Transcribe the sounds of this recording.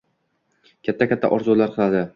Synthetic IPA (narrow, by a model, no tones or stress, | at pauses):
kʲʰat̪ʰːakʲat̪ʰːa̰ʔɒɾzulaɾqʰɨlˠad̪ɪ